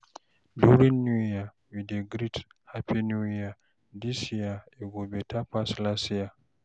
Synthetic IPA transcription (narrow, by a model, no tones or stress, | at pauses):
duɾinːuja | widɛɡɾithapinuija | disijaɛɡobɛtʰapaslasija